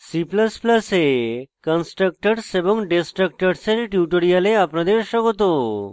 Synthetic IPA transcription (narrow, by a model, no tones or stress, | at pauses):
sipləsplɐsekənsʈɾək̚ʈəɖsebɔŋɖesʈɾək̚ʈəɖseɾʈjuʈoɾijaleapnad̪eɾʃəkot̪o